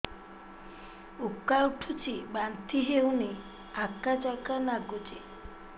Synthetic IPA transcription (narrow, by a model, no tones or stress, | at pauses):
ukːauʈʰut͡ʃibant̪iɦewne | akad͡ʒakanaɡud͡ʒe